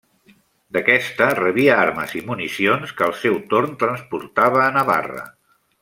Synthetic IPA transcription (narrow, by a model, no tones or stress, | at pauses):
d̪əkɛst̪ərəβiəaɾməzimunisionskəːlˠsɛwt̪oɾnt̪ɾənspuɾt̪aβəːnəβa̰rə̰